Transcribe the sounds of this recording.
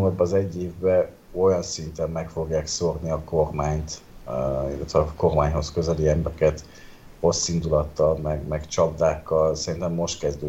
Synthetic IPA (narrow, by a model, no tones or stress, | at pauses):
mɒd̪̚bɒːzɛɟːeːvbɛ | o̞jɒnsint̪ɛmːɛkfo̞ɡjaːksorniɒko̞rmaːɲt̪ | ḭlːɛt̪ʋɛko̞rmaːɲɦo̞skø̞zɛliɛmbɾɛkɛt̪ | ro̞sːind̪ulɒt̪ːɒlmɛɡmɛɡt͡ʃɒbd̪aːkːɒlsɛɾint̪ɛmːo̞ʃt̪kɛzd̪øː